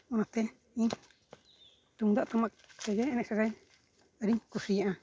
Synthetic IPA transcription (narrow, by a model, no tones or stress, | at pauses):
ũnãt̪e | ĩ | t̪ud̪aʔt̪amã | t̪ejenẽʂeɾe | aɾikuʂiãʔã